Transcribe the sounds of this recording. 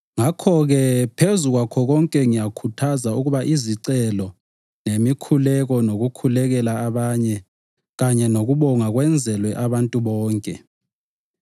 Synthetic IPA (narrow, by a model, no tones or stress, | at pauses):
ŋakʰɔɣɛpʰezuɣwakʰɔɣɔŋkʼɛŋijakʰutʰazauɣuβaʔiziǀɛlɔ | nemikʰulɛɣɔnoɣukʰulɛɣɛlaːβaɲɛ | ɣaɲɛnoɣuβɔŋaɣwɛnd͡zʱɛlwɛʔaβantʼuβɔːŋkʼɛ